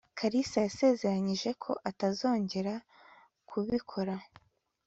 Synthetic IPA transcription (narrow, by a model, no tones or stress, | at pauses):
kʰaɾisajase̞ːze̞ɾaɲiʒe̞kʰo̞ʔatazo̞ːɲɟe̞ɾa | kʰuβikʰo̞ɾa